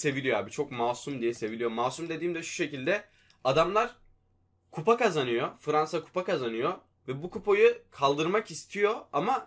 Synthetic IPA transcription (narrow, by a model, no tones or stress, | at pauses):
se̞vilʲijoa̰ːbit͡ʃʰo̞kmaːsumd̪ijɛse̞vilʲijomaːsumd̪e̞d̪iːmd̪ɛʃu̥ʃe̞cilʲd̪ɛ | ad̪amlˠaɾ̥ | kʰupakazanɯjo̞fɯɾansakʰu̥pakazanɯjo | vɛbukupo̞jukʰalˠd̪ɯɾmakist̪ʰijo̞ama